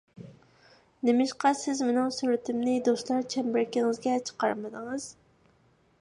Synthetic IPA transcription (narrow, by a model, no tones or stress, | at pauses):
nɪmɪʃqɑsɪzmɪnɪŋsyɾɪt̪ʰɪmnɪd̪ost̪lˠɑɾt͡ʃʰɛmbɪɾkʲiŋɪzɡʲɛt͡ʃʰə̥qɑɾmɨd̪ɨŋɨz̥